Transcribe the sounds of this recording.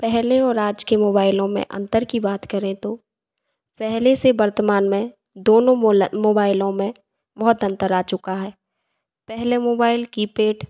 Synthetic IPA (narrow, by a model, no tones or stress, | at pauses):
pɛɦleɔːɾaːd͡ʒkemoːbaːɪlõmḛ̃ʔɐ̰̃nt̪əɾkibaːt̪kɐɾẽt̪o | pɛɦlesebɐɾt̪əmaːnmẽ | d̪oːnõmoːbaːɪlõmẽ | bɔɦʊt̪ɐ̃nt̪əɾaːt͡ʃʊkaɦɛː | pɛɦlemoːbaːɪlkiːpeːʈ